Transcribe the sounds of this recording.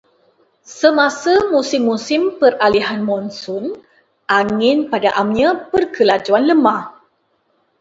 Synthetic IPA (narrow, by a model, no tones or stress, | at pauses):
səmasəmusɪmːusɪmpəraliɦanmɔnsɔn | ʔaŋɪnpadaʔamɲãpərkəlad͡ʒuanləmah